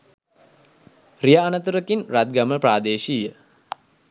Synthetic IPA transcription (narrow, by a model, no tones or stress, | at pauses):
rijaːnət̪uɾəkinrat̪̚ɡaməpɾaːd̪eːʃijə